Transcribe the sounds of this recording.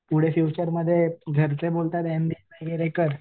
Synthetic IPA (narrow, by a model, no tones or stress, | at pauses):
puɽ̤efiwt͡ɕəɾməd̪ʱːjeɡʱəɾt͡sebolt̪at̪end̪iʋaɡeɾekəɾ